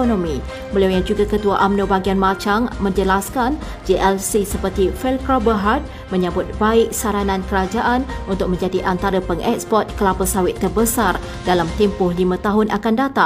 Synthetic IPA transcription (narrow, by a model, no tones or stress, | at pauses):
onõmĩ | bəliawjaŋd͡ʒuɡakət̪uaʔamnobaɡianmãt͡ʃaŋmə̃ɲd͡ʒəlaskan | d͡ʒiʔɛlsisəpərt̪ifɛlkɾabəɦat̪̚ | mə̃ɲə̃bʊt̪̚baɪk̚saɾanãnkəɾad͡ʒaʔanunt̪ʊk̚mə̃ɲd͡ʒadiʔant̪aɾəpəŋʔɛk̚spɔt̪̚kəlapəsawɪt̪ːərbəsar | dalamt̪ɛmpʊhlimãt̪aɦʊnʔakandat̪a